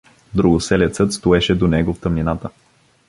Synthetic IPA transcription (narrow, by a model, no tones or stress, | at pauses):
d̪ɾuɡʊsɛlɛt̪sɤt̪st̪oɛʃɛd̪onɛɡoft̪əmninat̪ə